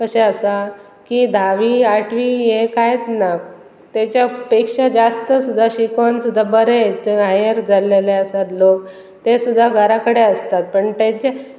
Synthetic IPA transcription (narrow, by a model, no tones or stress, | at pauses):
kəɕeəsa | kid̪ʱaʋiaʈʰʋiɦekajet͡sna | t̪at͡ɕjapekʂad͡zast̪əsud̪ʱːaɕikʋansud̪ʱːabəɾet͡seɦajəɾd͡zaleleəsat̪lok | t̪esud̪ʱːaɡʱəɾakəɽeəst̪at̪̚pəɳt̪at͡ɕa